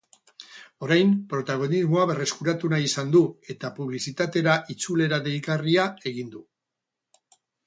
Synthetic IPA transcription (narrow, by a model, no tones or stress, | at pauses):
o̞ɾajmpɾo̞t̪aɣ̞o̞nizmo̞aβe̞re̞skuɾat̪unaisand̪ue̞t̪apuβ̞lisit̪at̪e̞ɾaʔit͡sule̞ɾaðejkariae̞ɣ̞ind̪u